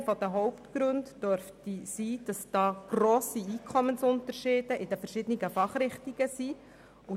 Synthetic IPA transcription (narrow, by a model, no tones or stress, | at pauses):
fɔd̥̪əɦɔʊptɡ̥ɾøntdøɾftisiːd̥ɑsd̥ɑːɡ̥roːsiiːkʰɔmənsʊntəɾʃɪːd̥əʔɪdɛfɛɾʃɪd̥̪əniɡəfɑχrɪχtiɡ̥əsiː | ʊ